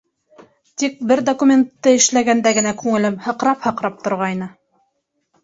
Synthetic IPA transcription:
t̪ik̚bɘɾd̪okumʲent̪ːɤɘ̆ʃlæɡænd̪æɡɘ̆nækʉŋɘ̆lɘmhɤ̆qɾɑphɤ̆qɾɑp̚t̪ŏɾʁɑjnɤ

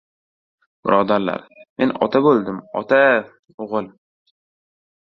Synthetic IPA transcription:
b̥ɪɾʔɒd̪aɾla̰ɾme̞nɒ̰t̪ʰabolˠd̪ɪmɒ̰t̪ʰa | oʁɨlˠ

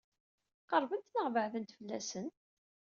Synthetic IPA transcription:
qəɾˤvənt̪nəʁvəʕðənt̪fəlːæ̰sən

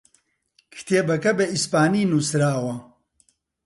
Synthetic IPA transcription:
kʰi̥t̪ʰeːbɐkɐbeispaːniːnusɾaːwɐ

